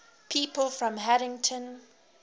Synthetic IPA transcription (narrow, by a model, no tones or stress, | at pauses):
pʰiːˑpəlˠfɹɔ̃mɦæɾɪ̃ŋtʰə̃n